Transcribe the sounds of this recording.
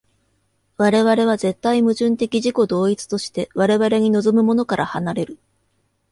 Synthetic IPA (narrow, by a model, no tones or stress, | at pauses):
βaɾe̞βaɾe̞β̞aze̞t̪ːaimɯ̟ʑɨ̃nt̪e̞kʲiʑiko̞d̪o̞ːit͡sɨ̥t̪o̞ɕi̥t̪e̞βaɾe̞βaɾe̞ɲ̟ino̞zo̞mɯ̟mo̞no̞kaɾʔahanaɾe̞ɾɯ̟